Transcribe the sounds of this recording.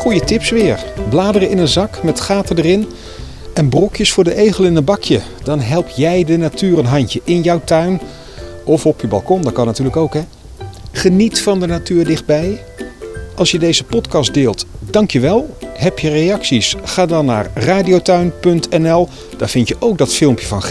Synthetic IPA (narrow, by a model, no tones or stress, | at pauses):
χujətɪpsʋɪːɹblaːdərəɪnənzɑkmɛtχaːtədərɪn | ɛnbrɔkjəsfʊːɹdəʔejχəlˠɪnənbɑkjə | d̥ɑnɦɛlˠp̚jɛjdənatyːrənɦɑɲcəʔɪnjɑwtœɥn | ʔɔfɔpjəbɑ̰lˠkɔndɑt̚kɑnːatyːləkowkɦɛ | χənitfɑndənatyːɹdɪχd̚bɛj | ʔɑlˠsjədejzəpɔtkɑsdeːlˠtd̥ɑŋkjəʋɛlˠɦɛpjərejɑksisχaːdɑnːa̰ːɹraːdiowtœɥnpɵntɛnɛlˠ | d̥aːɹv̥ɪntjəʔowk̚dɑtfɪlˠmpjəvɑnχ